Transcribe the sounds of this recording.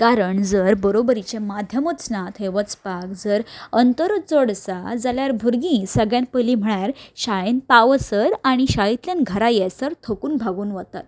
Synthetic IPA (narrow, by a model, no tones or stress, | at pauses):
kaɾəɳd͡zəɾbəɾobəɾit͡ɕemad̪ʱjəmət̪snat̪ɦeʋət͡spakd͡zəɾənt̪əɾt͡səɽsa̰d͡zaljaɾbʱuɾɡĩːsəɡɭjãnpəlim̤əɭjaɾɕaenpaʋəsəɾaɽ̃iɕaɦit̪ljanɡʱəɾajɛsəɾt̪ʰokuːnbʱaɡuːnʋət̪at̪